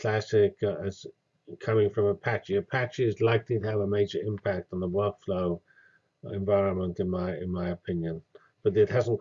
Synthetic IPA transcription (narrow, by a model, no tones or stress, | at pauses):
l̥æsɪkəz̥ | kʰʌmɪ̃ŋfɹʌ̃məpʰæt͡ʃiɨpʰæt͡ʃiɪzlaɪklitəːvəmeɪd͡ʒə˞ɪ̃mpʰæk̚tn̩ðəwɜˑ˞kfloʊ | ɪ̃ɱvaɪɹə̃nmə̃ntɨ̃nmaɪɪ̃nmaɪɨpʰɪ̃njə̃n | b̥ʌt̪ɨt̚hæzn̩